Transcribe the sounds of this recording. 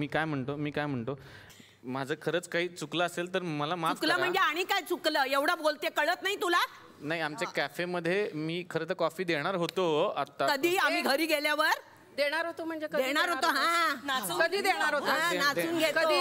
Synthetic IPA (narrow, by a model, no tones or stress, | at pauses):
miːkajm̤əɳt̪omiːkajm̤əɳt̪o | mad͡zʱəːkʰəɾəːt͡skaɦiːt͡sukləəselt̪əɾməlamaukləːm̤əɳd͡zeaɽ̃ikajt͡sukləːeʋɽabolt̪ekəɭət̪naɦit̪ula | naɦiamt͡ɕjakæfeməd̪ʱːjemiːkʰəɾət̪əkɔfiːd̪eɽ̃aɾɦot̪oa̰t̪ːakəd̪ʱiːamiːɡʱəɾiːɡeljaʋəɾ | d̪eɽ̃aɾɦot̪om̤əɳd͡zekəd̪eɽ̃aɾɦot̪oɦãnasuːəd̪ʱiːd̪eɽ̃aɾɦot̪ɦ̪nasuːnɡʱetkəoi